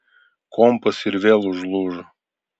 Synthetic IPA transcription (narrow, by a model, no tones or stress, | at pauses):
kompəsiɾʲvʲelˠuʐlˠuʐə